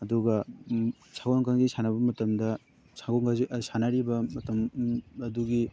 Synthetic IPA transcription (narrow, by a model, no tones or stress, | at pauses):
ɐduɡɐ | sʰaɡonkʰaŋɡisanɐβɐmɐtɐmdɐ | saɡoŋɡazsanɐɾibɐmɐtɐmɐduɡi